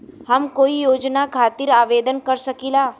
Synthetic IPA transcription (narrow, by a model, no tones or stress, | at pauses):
hɐmkoːijoːd͡ʒnakʰaːt̪ɪɾaːʋeːd̪ənkɐɾsəkiːlaː